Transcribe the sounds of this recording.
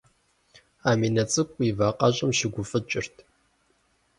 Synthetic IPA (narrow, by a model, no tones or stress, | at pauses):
aːmiːnɐt͡sʼɨkʷʼivaːqʼɐɕʼɐmʃɪɡʷʊfʼɨt͡ʃʼɪrtʰ